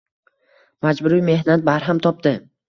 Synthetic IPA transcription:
mad͡ʒbʊɾijme̞hnat̪̚baɾɦamt̪ʰɒp̚d̪ɪ

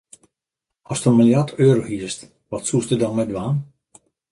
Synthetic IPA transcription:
ɔstəənmilˠjartʰøːɾohiəst | ʋɔtsustədɔnmɛdʋaːn

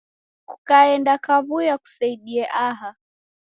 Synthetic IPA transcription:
ku̥kaɛndakaβujaku̥saiɗiɛʔaɦa

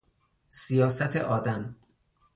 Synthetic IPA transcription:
sijɒːsæt̪ʰḛʔɒːd̪æm

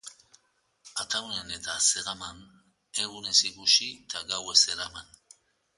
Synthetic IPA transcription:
at̪awnene̞t̪aseɾaman | e̞ɣunesiɣut͡ʃit̪aɡaweseɾaman

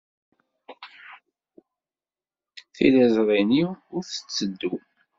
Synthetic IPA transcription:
θḭlæzɾˤiniʊɾθə̥t͡sːəd̪ːu

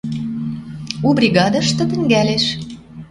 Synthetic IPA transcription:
ubrʲiɣɑd̪əʃt̪ɤ̆t̪ə̆ŋɡæleʃ

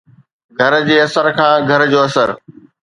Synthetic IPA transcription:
ɡʱɐɾd͡ʑeːɐsəɾkʰãːɡʱɐɾd͡ʑoːɐsəɾ

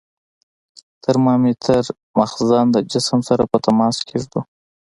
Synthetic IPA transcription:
t̪əɾmɑmet̪ʰəɾ | maxzɑnd̪əd͡ʒɪsəmsaɾapət̪amɑskʰeʐd̪u

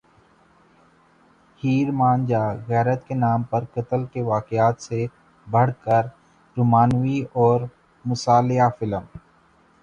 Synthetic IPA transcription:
hiːɾmãːnd͡ʒaːɣɛːɾət̪kenaːmpɐɾkət̪əlkeʋaːkjaːt̪se | bʱɐɽ̤kəɾ | ɾuːmaːnwiɔːɾ | mʊsaːlɪɦafɪləm

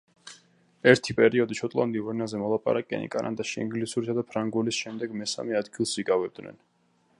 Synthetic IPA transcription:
ɛɾt̪ʰipʼɛɾiɔd̪iʃʰɔt̪ʼlˠand̪iuɾɛnazɛmɔlˠapʼa̰ɾakʼɛ̰nḭkʼanʔa̰d̪aʃiḭŋɡlisuɾisad̪apʰɾaŋɡulisʃɛmd̪ɛɡmɛsa̰mɛad̪ɡilˠsiɡavɛb̚d̪nɛ̰n

